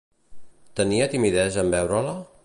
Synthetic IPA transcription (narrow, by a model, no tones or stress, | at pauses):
t̪əniət̪imiðɛzəmbɛwɾələ